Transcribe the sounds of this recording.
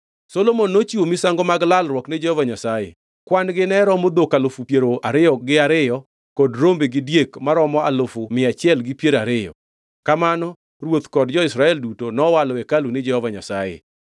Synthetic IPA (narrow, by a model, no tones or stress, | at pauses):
solomonːot͡ʃiwomisaŋɡɔmaɡlalɾwɔkned͡ʒɛhɔvaɲasajḛ | kwanɡɪnɛɾɔmod̪okalofupjeɾoaɾɪjɔɡɪaɾɪjɔ | kɔdɾombeɡɪdjekmaɾɔmɔa̰lofʊmɪat͡ʃɪɛlɡɪpjeɾaɾɪjɔ̰ | kamanɔ | ɾwot̪kɔdd͡ʒɔɪsɾaɛldutonɔwalɔɛkaluned͡ʒɛhɔvaɲa̰sajḛ